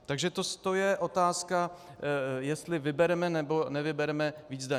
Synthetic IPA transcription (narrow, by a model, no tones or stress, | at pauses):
t̪aɡʒɛt̪ost̪ojɛʔot̪aːska | jɛst̪lɪvɪbɛɾɛmɛnɛbo̞nɛvɪbɛɾɛmɛviːd͡zda